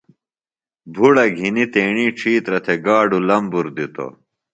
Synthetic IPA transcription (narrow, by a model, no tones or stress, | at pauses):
bʱuɽɐɡʱinit̪eːɳiːʈ͡ʂʰiːt̪ɾɐt̪ʰeɡaːɖulɐmbuɾd̪it̪o̰